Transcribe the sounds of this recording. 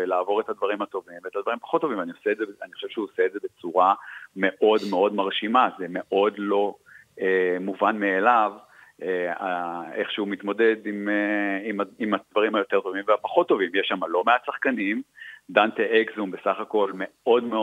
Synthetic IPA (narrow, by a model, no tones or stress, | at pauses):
elaːvo̞ʁethad̪vaʁimat̪o̞viveetad̪vaʁimpḁχot̪ːo̞vĩmvanioseedzeeaniχoʃevʃeuoseetzebe̞t͡suʁame̞ʔo̞dme̞o̞dmaʁʃimazeme̞ʔo̞dlo̞emuvanmeːlav | eaeχʃeumit̪mo̞de̞dimeimaimad̪̥vaʁimhajo̞t̪e̞ʁt̪o̞vimveapḁχo̞t̪ːo̞vimjeʃːamalo̞measaχkanimdant̪eekzumbe̞saχako̞lme̞o̞dmeo